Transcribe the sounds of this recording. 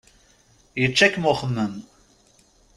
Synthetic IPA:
jət͡ʃːækːmʊχəmːəm

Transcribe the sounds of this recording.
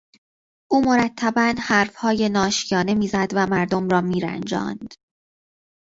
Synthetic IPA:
ʔuːmo̞ɾæt̪ʰːæbænhæːɾfhɒːje̞nɒːʃijɒːne̞miːzæd̪væmæɾd̪omrɒːmiːɾæ̰nd͡ʒɒ̰ːnd̪̥

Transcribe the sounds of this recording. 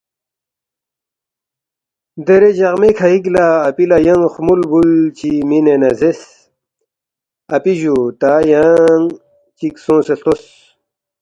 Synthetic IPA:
d̪eɾed͡ʑɐʁmekʰaik̬laːpilajɐŋxumulbult͡ɕiminenɐzes | ɐpiʑut̪ajaŋ | t͡ɕiksõːseɬt̪os

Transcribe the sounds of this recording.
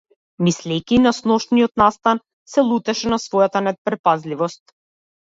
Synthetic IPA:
mislɛjkʲinasnɔʃniɔt̪nast̪an | sɛlˠut̪ɛʃɛnasvɔjat̪anɛt̪̚pɾɛpazlivɔst̪

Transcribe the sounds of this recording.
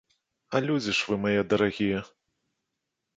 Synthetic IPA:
alʲud͡zʲiʂvɨmajɛd̪ɐɾaɣʲijɛ

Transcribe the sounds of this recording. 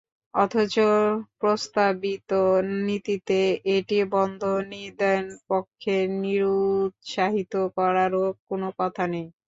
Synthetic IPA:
ɔ̰t̪ʰot͡ɕopɾost̪abit̪onit̪it̪eʔeʈibɔnd̪ʱonied̪ɛnpokʰːeniɾut̪ʃaɦit̪okɔɾaɾokonokɔt̪ʰanej

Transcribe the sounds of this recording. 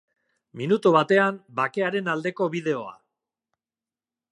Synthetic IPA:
minut̪uβ̞at̪e̞ambake̞aɾe̞nald̪e̞ko̞βið̞e̞o̞a̰

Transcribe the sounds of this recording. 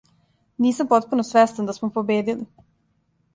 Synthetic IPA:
niːsampo̞t̪̚punosʋest̪and̪asmopobeːd̪ili

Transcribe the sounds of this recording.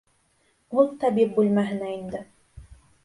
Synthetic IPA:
ulˠt̪æbip̚bʉlmæɦɘ̆næind̪ɘ

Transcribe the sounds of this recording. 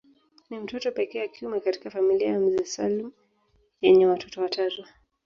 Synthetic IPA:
nim̩tɔtɔpɛkɛːakiumɛkati̥kafamiliajam̩zisalm̩ | jɛɲɛwatʰɔtɔwatʰazwa

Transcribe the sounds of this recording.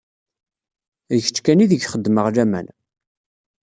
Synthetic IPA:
çt͡ʃːkæniðəʝχəd̪ːməʁlæmæ̰n

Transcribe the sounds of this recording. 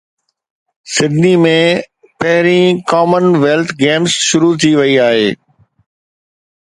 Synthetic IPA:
sɪd̪ʱnimẽ | pɐɦɪɾĩkɔːmənʋeːlt̪ʰɡeːmsʃʊɾut̪ʰiʋɐiaːɦeː

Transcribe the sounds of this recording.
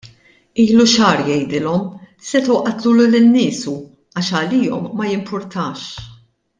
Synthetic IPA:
iːluʃɐːɾjɛjd̪ɪlɔm | sɛt̪ʊwʔɐt̪luːlulɪnːɪːsu | ɐːʃɐliːɔmːɐjɪmpʰʊɾt̪ʰɐːʃ

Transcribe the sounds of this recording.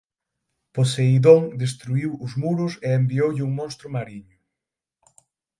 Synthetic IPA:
poseiðoŋd̪es̬t̪ɾuiwʊzmuɾʊseembiowʎɪuŋmõnst̪ɾʊmaɾiɲʊ

